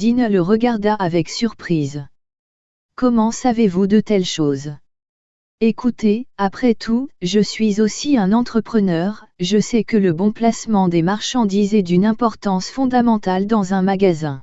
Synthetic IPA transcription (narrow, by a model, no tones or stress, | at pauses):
d̪inələʁəɡaʁd̪aʔːvɛksyʁpχiz | kɔmɑ̃savevud̪ət̪ɛlʃoːz | ekʰut̪eapχɛt̪ʰuʒəsɥizosiɛ̃nɑ̃t̪χəpχənœʁʒəsɛkələbɔ̃plasmɑ̃d̪emaʁʃɑ̃d̪izɛd̪ynɛ̃pɔʁt̪ɑ̃sfɔ̃d̪amɑ̃t̪ald̪ɑ̃zɛ̃maɡazɛ̃